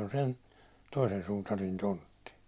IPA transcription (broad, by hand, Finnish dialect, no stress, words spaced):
on sen toisen sutɑrin tontːi